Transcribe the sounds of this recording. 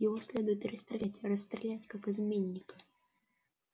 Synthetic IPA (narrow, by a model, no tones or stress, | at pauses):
jɪvosʲlʲe̞d̪ʊjɪt̪rəst̪ɾʲɪlʲætʲrəst̪ɾʲɪlʲætʲkakɨzmʲenʲːɪkə̥